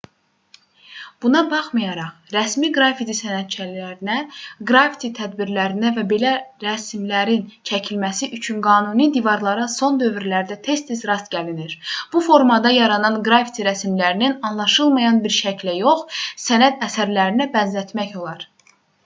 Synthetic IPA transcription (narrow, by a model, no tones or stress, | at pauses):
b̥unɑbɑχmɑjɑɾɑχɾæsmiɡɾɑfit̪ʰisænæt̪̚t͡ʃʰælæɾinæɡɾɑfi̥t̪ʰit̪ʰæd̪biɾlæɾinævæbe̞læɾæsmlæɾint͡ʃʰæcʰilmæsiʔyt͡ʃʰynɡɑːnunid̪ivɑɾlˠɑɾɑso̞nd̪ø̞vɾilæɾd̪æt̪ʰe̞st̪izɾɑst̪ɟæliniɾb̥ufo̞ɾmɑd̪ɑjɑɾɑnɑnɡɾɑfit̪ʰiɾæsmlæɾininɑnlˠɑʃɯlˠmɑjɑnbiɾʃæcʰlæjo̞χsænæd̪æsæɾlæɾinæbænzæt̪mæço̞lˠɑɾ